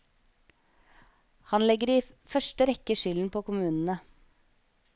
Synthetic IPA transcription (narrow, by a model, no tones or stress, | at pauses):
hɑnlɛɡəɾiː | fœʃʈəɾɛkəʃʏln̩pʰoːkʊmʉːnn̩ə